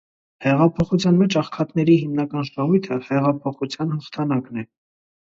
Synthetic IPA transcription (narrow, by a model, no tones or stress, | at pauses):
hɛʁɑpʰɔχut͡sʰjɑnmɛt͡ʃʰɑχkʰɑt̪nɛɾiɦimnɑkɑnʃɑʁujt̪ʰəhɛʁɑpʰɔχut͡sʰjɑnhəχt̪ʰɑnɑknɛ